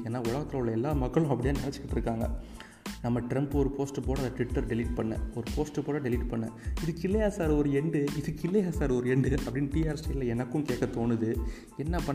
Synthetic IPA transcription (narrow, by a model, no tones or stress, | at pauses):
eːnːaːʊɭɐɣɐt̪ːɾɐʋɭɐɛlːaːmɐkːɐɭʊ̃ɐpːɐɽɪjaːnɪnɛt͡ʃːɯkːɪʈːɪɾɯkːaːŋɡɐ̰ | nɐmːɐʈɾɛmpɯɔɾɯpoːsʈɯpoːɽɐnɐʈʋɪʈːɐɾɖɪlɪːʈ̚pɐɳːɐ̰ɔɾɯpoːsʈɯpoːɽɐɖɛlɪʈpɐɳːɐ̰ɪðɯkːɪlːɐjaːsaːɾɐɔɾɯɛɳɖɯɪðɯɪlːɐjaːsaːɾɔɾɯɛɳɖɯʔɐpːɐɽɪnːʈiːaːɾsʈɐɪllɐɛnɐkːʊ̃mkeːkːɐt̪oːnɯðɯ | ɛnːɐpɐ